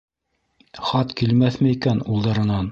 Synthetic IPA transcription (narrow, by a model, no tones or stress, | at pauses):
χɑt̪kilmæθmɘikænulˠd̪ɑɾɤ̆nɑn